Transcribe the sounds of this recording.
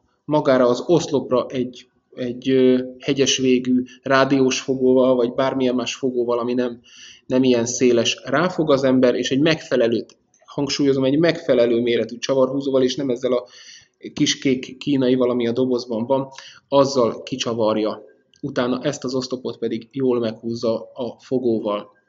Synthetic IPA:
mɒɡaːɾɒːzo̞slo̞prɒʔɛɟ | ɛɟøhɛɟɛʃʋeːɡyːraːd̪ioːʃfo̞ɡoːvɒlvɒɟbaːrmijɛmːaːʃfo̞ɡoːvɒlɒminɛm | nɛmijɛnseːlɛʃraːfo̞ɡɒzɛmbɛɾeːʃɛɟmɛkfɛlɛløːt̪ | hɒŋkʃuːjo̞zo̞mɛɟmɛkfɛlɛløːmeːɾɛt̪yt͡ʃɒvɒrɦuːzoːvɒleːʃnɛmɛzːɛlɒ | kiʃkeːkːiːnɒjivɒlɒmiɒd̪o̞bo̞zbɒɱvɒnɒzːɒlkit͡ʃɒvɒrjɒ | ut̪aːnɒʔɛst̪ɒzo̞st̪o̞po̞t̪pɛd̪iɡjoːlmɛkhuːzːɒːfo̞ɡoːvɒl

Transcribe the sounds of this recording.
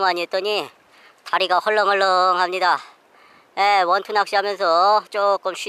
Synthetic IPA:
maɲiet͈ʌɲi | taɾiɡahʌɭːʌŋɦʌɭːʌŋɦamɲida | jewʌntʰunɦak̚ɕ͈iɦamjʌns̬ʰʌt͡ɕ͈ok͈ɯmɕʰi

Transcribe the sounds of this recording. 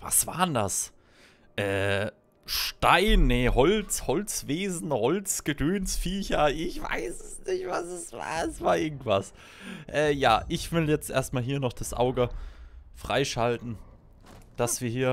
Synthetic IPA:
va̰sv̥a̰ːʁəndas | ʔɛː | ʃtaɪnːehɔlt͡shɔlt͡sv̥eːzn̩hɔlt͡sɡ̥ədøːnsfiːçɐʔɪçv̥a̰ɪsɛsnɪçtv̥asɛsva̰ːɐɛsv̥aːɐʔɪɐɡŋ̩tv̥as | ʔɛːjaːʔɪçv̥ɪljɛt͡stʔḛːɐst̚maːlɦiːɐnɔχd̥asʔa̰ʊɡəfʁ̥a̰ɪʃaltn̩ | d̥asv̥iːɐɦiːɐ

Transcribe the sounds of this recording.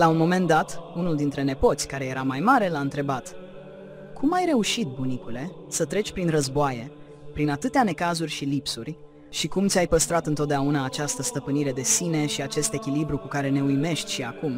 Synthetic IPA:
launmo̞me̞nd̪at̪unuld̪int̪ɾe̞ne̞po̞t̪sʲkaɾe̞je̞ɾamajmaɾe̞laɨnt̪ɾe̞bat̪ | kʰumajɾe̞uʃit̪̚bunikule̞ | sət̪ɾe̞t͡ʃʲpɾinrəzboaje̞ | pɾinat̪ɨt̪eane̞kazurʲʃilipsurʲ | ʃikumt̪sʲajpəst̪ɾat̪ɨnt̪ot̪̚d̪eaunaːt͡ʃast̪əst̪əpɨniɾe̞d̪e̞sine̞ʃiat͡ʃe̞st̪e̞kʲilibɾukukaɾe̞ne̞ujme̞ʃt̪ʲʃiakum

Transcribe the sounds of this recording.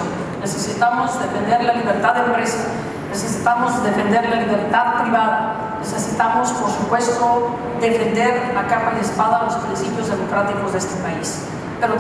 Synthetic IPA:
nesesit̪amozd̪e̞fe̞nd̪e̞ɾlaliβeɾt̪aðempɾe̞sa | nesesit̪amozd̪e̞fe̞nd̪e̞ɾlaliβe̞ɾt̪aðpɾiβaða | nesesit̪amospoɾsupwe̞st̪o | ðe̞fend̪eɾakaɣoðespaðalo̞spɾinsipjo̞zðemo̞kɾat̪ikozðest̪epais | peɾo

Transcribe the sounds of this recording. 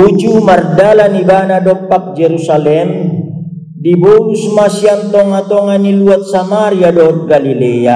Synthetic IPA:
ud͡ʒumardalanibanadɔpːak̚d͡ʒeɾusalɛm | dibɔlusmasiant̪ɔŋat̪ɔŋaniluat̪̚samaɾiadɔɦɔt̪̚ɡalilea

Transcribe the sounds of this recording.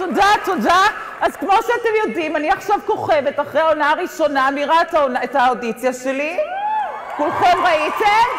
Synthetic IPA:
todato̞da | azkmo̞ʃeate̞mjo̞dimaniaχʃavko̞χe̞ve̞taχʁejaonaaʁiʃo̞namiʁataonaetaodit͡sjaʃeli | kulχe̞mʁaitem

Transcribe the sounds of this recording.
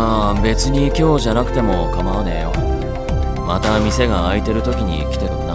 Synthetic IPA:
abe̞t͡sɨɲ̟ikʲo̞ːʑanakɯ̟t̪e̞mo̞kamaβanejo̰ | mat̪amʲise̞ɡaːit̪e̞ɾɯ̟t̪o̞kʲiɲ̟ḭkʲi̥t̪et̪ona

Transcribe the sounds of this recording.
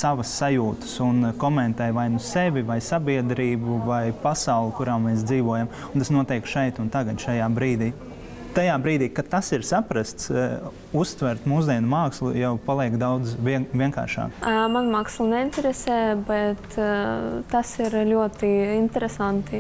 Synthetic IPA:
saʋɐsːajuːt̪ə̥sunkɔmɛnt̪ɛjʋajnusevʲivajsabiɛd̪ɾiːbuvajpasawlˠɪkuɾaːmɛːs̬d̪ziːʋuɔjam | ʊnt̪asnuɔt̪ɛjkʃɛjt̪unt̪aɡɐd̪ʃajaːbɾiːd̪iː | t̪ajaːbɾiːd̪iːkat̪asiɾsapɾast̪s | ust̪ʋɛɾt̪muːzd̪iɛnmaːkslˠujawpalˠiɛkd̪awd̪zvʲiɛŋka̰ːɾʃa̰ːkmanmaːkslˠnɛinʲt̪ʲɛɾesɛːbɛt̪ | t̪ːasiɾlʲuɔt̪iint̪ʲɛɾesant̪i

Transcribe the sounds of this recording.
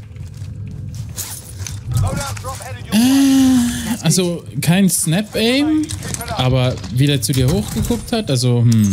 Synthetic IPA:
ʔa | ʔalzokʰaɪnsnɛpɛɪbm̩ʔaːbɐviːdeːɐt͡sudiːɐhoːxɡ̥əkʰʊk̚thatʔalzohm̩

